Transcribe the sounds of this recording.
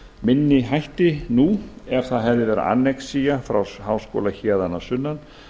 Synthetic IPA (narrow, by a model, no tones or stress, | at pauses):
mɪnːɪɦajht̪ɪnuɛɾ̥θaðɦɛvðɪvɛːɾa̰ʔa̰nːɛksijafɾawɦaːwskɔ̰ːlaçɛːðanasʏnːan